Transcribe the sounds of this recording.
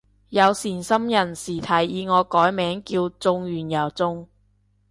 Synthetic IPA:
jɐ˨˧wsiː˨˩nsɐ˥mjɐ˨˩nsiː˨˩t̪ʰɐ˨˩jjiː˨˧ŋɔː˨˧kɔː˨˥jmɛː˨˥ŋkiː˧wt͡sʊ˧ŋɥyː˨˩njɐ˨˩wt͡sʊ˥ŋ

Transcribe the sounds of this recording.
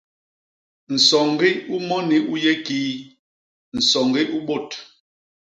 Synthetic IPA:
n̩˨sɔ˨ŋɡi˦u˦mɔ˦ni˦u˦je˦ki˦ | n̩˨sɔ˨ŋɡi˦ʔu˦ɓo˦˨t

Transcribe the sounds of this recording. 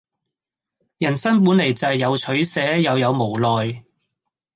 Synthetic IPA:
jɐ˨˩nsɐ˥npuː˨˥nle˨˩jt͡sɐ˨jːɐ˨˧wt͡ʃʰɵ˨˥ɥsɛː˨˥jɐ˨˧wjɐ˨˧wmo˨˩wlɔː˨j

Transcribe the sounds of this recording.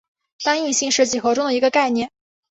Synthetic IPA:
t̪a˥ŋi˥˧ɕi˥˧ŋʂɻ̩˥˩t͡ɕi˨˩xɤ˧˥ʈ͡ʂʊ˥ŋd̪ə˨i˧˥ɡə˧ka˥˧ɪnjɛ˥˩n

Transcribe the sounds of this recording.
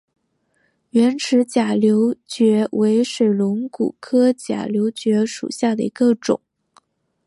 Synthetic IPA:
ɥɛ˧˥nʈ͡ʂʰɻ̩˧˥t͡ɕja˨˩ljo˧˥ʊt͡ɕɥɛ˧˥wʔe˧˥ɪʂe˨˩ɪlʊ˧˥ŋkṵ˨˩kʰɤ˥t͡ɕja̰˨˩ljo˧˥ʊt͡ɕɥɛ˧˥ʂṵ˨˩ɕja˥˩d̪ə˩i˧˥ɡə˧ʈ͡ʂʊ̰˨˩˦ŋ

